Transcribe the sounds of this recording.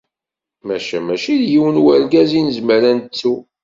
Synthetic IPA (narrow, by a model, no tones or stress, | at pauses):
mæʃæmæʃiðjiwənwæɾɡæzinəzməɾænt͡sːu